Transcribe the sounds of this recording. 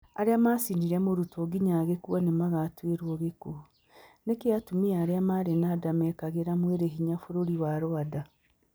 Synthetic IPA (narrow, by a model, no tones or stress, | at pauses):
a̰ɾeamaːsindiɾɛmoɾutoɡiɲaɣekwɔnemaɣatweɾwɔɣeko | nekeatumiaaːɾeamaɾenadamɛːkaɣeɾamweɾeɦiɲafoɾoɾiwaɾoada